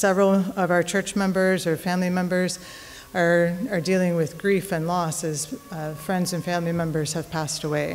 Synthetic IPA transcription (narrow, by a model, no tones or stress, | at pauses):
sɛvɹl̩ˠʌvaʊə˞t͡ʃʰɜ˞t͡ʃmɛ̃mbə˞zə˞fæ̃mlimɛ̃mbə˞z | ə˞ə˞dilˠɪ̃ŋwɪðɡɹifɨ̃nlɔsɨz̥fɹɛ̃ndzɨ̃nfæ̃mlimɛ̃mbə˞z̥ɨv̥pʰæstəweɪ